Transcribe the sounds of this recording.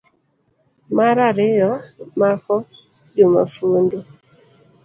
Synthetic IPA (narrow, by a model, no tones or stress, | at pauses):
maɾaɾɪjɔmakɔ | d͡ʒoma̰fundo